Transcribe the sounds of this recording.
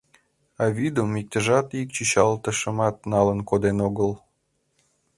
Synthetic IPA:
ɑβid̪əmik̚t̪əʒɑt̪ik̚t͡ɕyɕɑlt̪əʃəmɑt̪nɑlənkod̪enoɣəl

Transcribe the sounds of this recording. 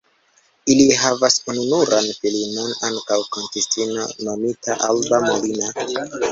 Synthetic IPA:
iliɦavasununuɾanfilinonaŋkawkoŋkistino̰nomitaʔalbamolina

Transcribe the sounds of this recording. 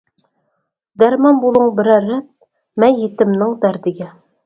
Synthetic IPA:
d̪æɾmɑmbulˠɤɴbɘ̆ɾæɾæt̪̚ | mænjit̪ɘ̆mnɤŋd̪æɾd̪ɘ̆ɡæ

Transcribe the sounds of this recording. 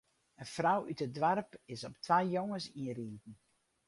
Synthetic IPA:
əfrawytədʋarpɪsɔptʰʋajjoŋəsiəritn̩

